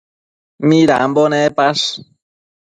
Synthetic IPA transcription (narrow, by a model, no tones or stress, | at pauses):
miɾa̰ʔambonepaʂ